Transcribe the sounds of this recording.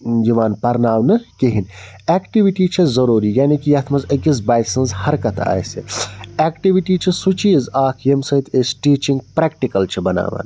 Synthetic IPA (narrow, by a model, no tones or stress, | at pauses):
jiʋaːnpɐɾnaːʋnɨkiɦinɛːkʈiʋiʈiːt͡ʃʰɐzɐɾuːɾiːjaːnikijɐt̪ʰmɐzɐkizbaːjsɐ̃nzhɐɾkɐt̪ʰa̰ːjsḭeːkʈiʋiʈiːt͡ʃʰisut͡ʃiːzaːkʰjemsɐit̪ʰesʈiːt͡ʃĩŋɡ̚pɾeːkʈikɐlt͡ʃʰibɐna̰ːʋa̰ːn